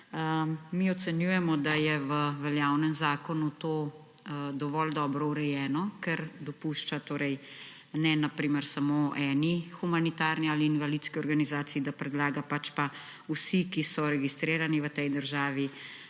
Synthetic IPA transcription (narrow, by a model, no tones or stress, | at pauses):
əmiɔt̪sɛnjuːjɛmɔd̪ajɛʋəʋɛljaːwnɛmzaːkɔnut̪oː | d̪ɔʋɔld̪ɔbɾɔuɾɛjɛːnɔkɛɾd̪ɔpuʃt͡ʃat̪oːɾɛj | nɛnapɾiːməɾsamoːʔɛːnixumanit̪aːɾniaːliːnʋalid̪skiɔɾɡanizaːt̪siid̪apɾɛd̪laːɡapat͡ʃpa | usikisɔɾɛɡist̪ɾeːɾaniʋət̪ɛjd̪əɾʒaːʋi